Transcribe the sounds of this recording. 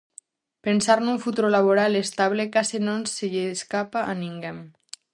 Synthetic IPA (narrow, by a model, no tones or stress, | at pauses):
pensaɾnuɱfut̪uɾolaβoɾalest̪aβlekasenonseʎeskapaʔaniŋɡem